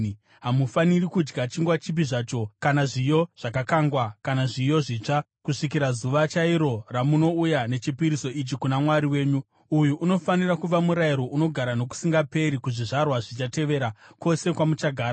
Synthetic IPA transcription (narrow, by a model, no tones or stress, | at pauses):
ɦamufanirikud͡ʒɡat͡ʃiŋɡwat͡ʃip̬iʐat͡ʃo̞kanaʐijo̞ʐ̥akakaŋɡwakanaʐijo̞ʐiːt͡ʂa | kuʂikiɾazuʋat͡ʃaiɾo̞ramuno̞ujane̞t͡ʃipiɾiso̞it͡ʃikunamwaɾiwe̞ːɲu | ujuʔːno̞fanirakuʋamuɾaiɾo̞ʔuno̞ɡʱaɾano̞ku̥siŋɡape̞ɾikuʐiʐarwaʐit͡ʃate̞ʋe̞ːɾako̞se̞kwamut͡ʃaɡʱaːɾa